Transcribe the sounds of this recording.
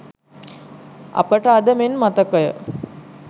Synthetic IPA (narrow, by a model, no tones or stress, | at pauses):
ɐ̰pəʈəad̪əmenmat̪əkəjə̰